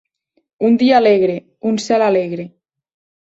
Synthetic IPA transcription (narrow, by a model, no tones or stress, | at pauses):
und̪iaːleɣɾe | unsɛlaleɣɾe